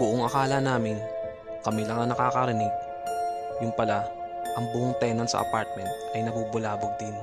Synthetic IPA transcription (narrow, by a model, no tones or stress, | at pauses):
bʊʔoŋɐkaːlɐnaːmɪn | kɐmilɐŋɐnɐkaːkɐɾɪnɪɡ̚ | jʊnpɐla | ʔɐŋbʊʔoŋt̪ɛːnɐnsɐ̰ʔɐ̰paɾt̪̚mɛnt̪̚ʔɐjnɐbuːbʊlaːboɡ̚d̪ɪn